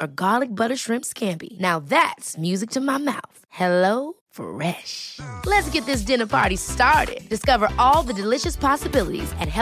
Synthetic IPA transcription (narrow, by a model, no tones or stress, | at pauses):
əɡɑlˠɨk̚b̥ʌɾə˞ʃɹɪ̃mpskʰæ̃mpḭnaʊðætsmjʉzɨk̚tʰɨmaɪmaʊθhɛloʊ | fə̰ɹɛʃlɨtsɡ̥ɛt̪̚ðɪs̬d̥ɪ̃nə˞pʰɑ̰ɹɾistɑɹɾɪ̰d̚d̥ɨskʌvə˞ʔɔlˠðɨdɨlɪʃɨspʰɑsɨbɪlˠəɾḭzɨ̃t̚hɛ